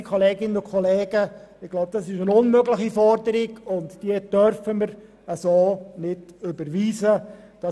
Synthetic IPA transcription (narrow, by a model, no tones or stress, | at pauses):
kʰɔlɛːɡɪnːənʊkʰχɔlɛːɡ̥ə | ɪɡ̥lɔʊb̚d̥ɑsɪʃənʊnmøɡlɪχifɔɾdəɾɪɡʊntd̥iəd̥œɾfəməɾ | əsoːnɪdʏbəɾʋiːzə | d̥ɑ